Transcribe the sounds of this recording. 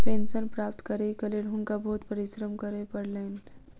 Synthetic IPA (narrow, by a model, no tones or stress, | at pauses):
pensənpɾap̚t̪kəɾekəleɽɦuŋkabʱout̪pəɾisɾəmkəɾepəɽlen